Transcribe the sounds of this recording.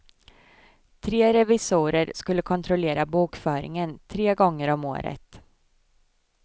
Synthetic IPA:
t̪ʰɾeːɾɛvɪsuːɾəɾskɵlːəkʰɔnt̪ʰɾɔleːɾabuːkfœːɾɪ̰ŋənt̪ʰɾeːɡɔŋːəɾɔmo̰ːɾə̰t̪

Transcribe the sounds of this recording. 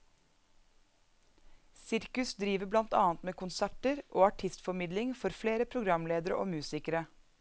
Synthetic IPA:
sɪɾkʉsd̪ɾiːʋəblɑnt̪ɑ̰ːnt̪meːkʰʊnsæʈəɾʔoːɑʈʰɪst̪fɔmɪd̪lɪŋfɔɾfleːɾəpʰɾʊɡɾɑmleːd̪əɾə̰ʔo̰ːmʉːsɪkəɾə

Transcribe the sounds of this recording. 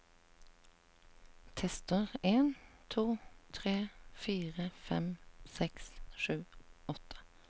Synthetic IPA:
t̪ʰɛst̪əʁeːnt̪ʰuːt̪ʰʁeːfiːʁəfɛ̰msɛksʃʉːɔt̪ʰə̥

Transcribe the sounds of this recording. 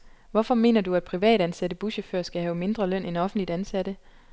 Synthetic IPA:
ʋɒ̽fɒ̽me̝̰ːnɐduæd̥̚pʰʁiʋɛ̰ːɾ̥ænsæd̥əb̥uɕəføɐ̰sɡ̥æhɛʊme̝nd̥ʁɐlœn̰ʔenɒ̽fn̩d̥lid̥ænsæd̥ə

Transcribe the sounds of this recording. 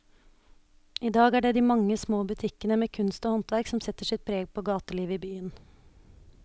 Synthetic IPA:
iːd̪ɑːɡæːɖɛːd̪iːmɑŋːəsmoːbʉt̪ʰɪkənəmeːkʰʉnst̪oːhɔnt̪ʋæɾksɔmsɛt̪ːəʂɪt̪̚pʰɾeːɡ̚pʰoːɡɑːt̪əliːʋəiːbyːən

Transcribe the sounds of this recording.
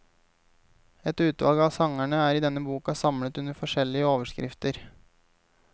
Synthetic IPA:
ɛt̪ʉːt̪ʋɑ̰lˠɡəɑsɑŋæɳəæːɾɪd̪ɛnːəbuːkɑsɑmlət̪ʉnəɾfɔʂɛlːɪəoːʋəʂkɾɪ̰ft̪əɾ

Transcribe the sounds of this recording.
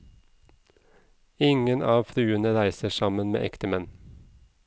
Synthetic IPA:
ɪŋənʔɑːʋfɾʉːənəɾæɪsəʃɑmənmḛːʔɛkt̪əmɛn

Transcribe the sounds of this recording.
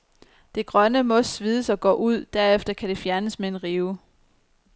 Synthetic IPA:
d̥e̝ɡ̥ʁɶnəmɒ̽sʋiːðˠəsɒ̽ɡ̥ɔ̰ːʔuð̞̰ˠd̥æɐ̰efd̥ɐkʰæd̥e̝fjæɐnəsmee̝nʁiːʊ

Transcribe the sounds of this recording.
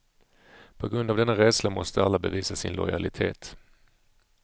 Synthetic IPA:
pʰɔɡɾɵnd̪avd̪ɛnːaɾɛːd̪slamɔst̪əalːabɛviːsasɪnlɔ̰jalɪt̪ʰeːt̪

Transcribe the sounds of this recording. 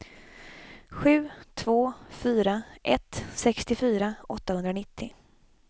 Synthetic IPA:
ɧʉ̟ːt̪ʰvoːfyːɾaʔɛt̪sɛkst̪ɪfyːɾaɔt̪ːahɵnd̪ɾanɪt̪ʰːɪ

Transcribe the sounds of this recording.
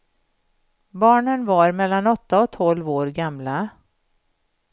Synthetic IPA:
bɑːɳənvaɾmɛlːanɔt̪ːaɔk̚t̪ʰɔlvoːɾɡamla

